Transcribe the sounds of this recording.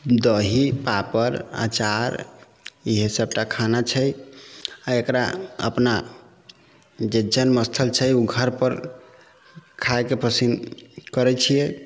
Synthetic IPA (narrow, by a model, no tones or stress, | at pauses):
d̪əɦipapəɾa̰t͡ʃaɾ | iɦesəb̚ʈakʰanat͡ʃʰəj | aekɾaə̰pna | d͡ʒed͡ʒənməst̪ʰəlt͡ʃʰəjuɡʱəɾpəɾ | kʰaekepəsinkəɾɛt͡ʃʰijɛ